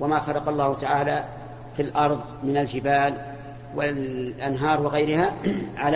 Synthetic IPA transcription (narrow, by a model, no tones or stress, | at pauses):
wamaːxɑlɑqɑlˤːɑːhʊt̪aʕaːlaː | filʔɑɾˤðˤ | mɪnald͡ʒɪbaːl | wɪlʔanɦɑːɾˤwɪɣajɾɪhaʕal